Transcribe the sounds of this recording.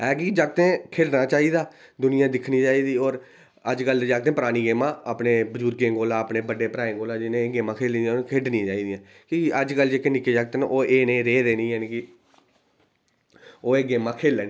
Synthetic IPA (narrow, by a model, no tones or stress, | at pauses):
ɛːkid͡ʒaːɡ̚t̪ẽːkʰeːɖnaːt͡ʃaːiːd̪aː | d̪ʊnɪjãːd̪ɪkʰnĩːt͡ʃaːiːd̪iːɔːɾ | əd͡ʒkəld̪ed͡ʒaːɡ̚t̪ẽːpəɾaːniːɡeːmãːaːpneːbəd͡ʒuːɾkẽːɡoːlãːəpneːbəɖeːpɾaːẽːɡoːlãːd͡ʒɪnẽːɡeːmãːkʰeːliːiãkʰeːɖnĩːt͡ʃaːiːd̪ĩjãː | kiːəd͡ʒkəld͡ʒeːkenɪkeːd͡ʒaɡ̚t̪eːnːʔoːʔeːnẽːɾeːɾeːnĩːɛnːkɪ | oːeːɡeːmãːkʰeːlɛːnː